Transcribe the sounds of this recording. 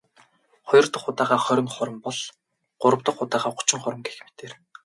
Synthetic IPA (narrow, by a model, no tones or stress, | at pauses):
χɔjɞ̆rt̪ə̆χʊt̪aːʁaːχœɾʲɪ̆ŋχɔɾə̆mpɔɮ | ɢ̥ʊɾə̆wt̪ə̆χʊt̪aːʁaːχʊ̥t͡ɕɪ̆ŋχʊɾə̆mɡexmet̪eːr